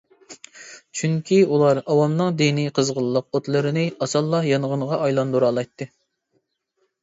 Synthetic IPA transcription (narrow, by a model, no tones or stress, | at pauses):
t͡ʃʰyŋkʲʰiulˠɑɾɑwɑmnɨŋd̪iniqʰəzʁəlˠːəq̚ot̪lˠɨɾɨnɨɑsɑlˠːɑhjɑnʁənəʁɑɑjlˠɑnd̪uɾɑːlˠɑjt̪ʰːɨ